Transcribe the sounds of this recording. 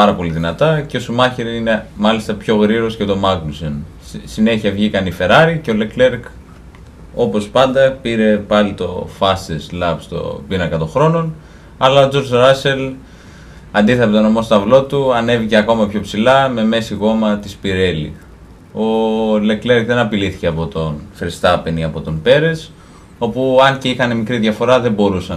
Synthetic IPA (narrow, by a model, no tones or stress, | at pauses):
pɐɾɐpo̞liðinɐt̪ɐceosumɐçiɾiine̞mɐlist̪ɐpço̞ɣɾiɾo̞scet̪o̞mɐkluson | sine̞çiɐvʝikɐnife̞ɾɐɾice̞o̞le̞kle̞ɾk | o̞po̞spɐnd̪ɐpiɾe̞pɐlit̪o̞̰fɐst̪eslɐpst̪o̞̰binɐkɐt̪o̞xɾo̞no̞n | ɐlɐo̞d͡zo̞ɾzɾɐse̞l | ɐnd̪iθeɾpet̪o̞no̞mo̞st̪ɐvlo̞t̪uɐne̞vice̞ɐko̞mɐpço̞psilɐme̞me̞siɣo̞mɐt̪ispiɾe̞lḭ | o̞le̞kle̞ɾkðe̞nɐpiliθi̥ce̞ɐpo̞t̪o̞nfɾist̪ɐpeniɐpo̞t̪onpe̞ɾe̞s | o̞puɐnceixɐne̞mikɾiðʝɐfo̞ɾɐðe̞bo̞ɾusɐ